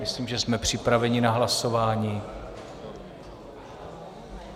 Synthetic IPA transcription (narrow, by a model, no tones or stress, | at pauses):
ɪsliːmʒɛsmɛpr̝̥ɪpɾavɛɲɪnaɦlaso̞vaːɲiː